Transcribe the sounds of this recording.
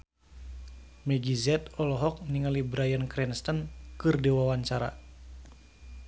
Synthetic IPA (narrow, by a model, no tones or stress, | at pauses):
mɛɡizɛt̪ɔlɔɦɔk̚niŋalibɾajənkɾɛnst̪ənkɨrdiwawaɲt͡ʃaɾa̰